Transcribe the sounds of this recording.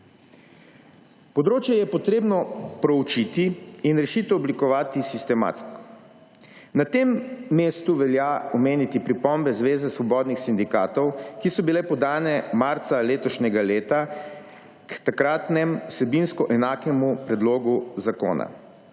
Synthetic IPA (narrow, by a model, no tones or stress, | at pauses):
pɔd̪ɾoːt͡ʃjɛjɛpɔt̪ɾeːbnɔpɾɔut͡ʃit̪iːnɾɛʃiːt̪ɛɔblikɔʋaːt̪isist̪ɛma̰ːt̪skɔ̥ | nat̪emːeːst̪uʋɛljaɔmeːnit̪ipɾipɔmbɛzʋeːzɛsʋɔbɔːd̪nixsind̪ikaːt̪ɔwkisɔbilɛpɔd̪aːnɛmaɾt̪saleːt̪ɔʃnʲɛɡaleːt̪a | kt̪akɾaːt̪nɛmwsɛbinskɔʔɛnaːkɛmupɾɛd̪loːɡuzako̰ːna̰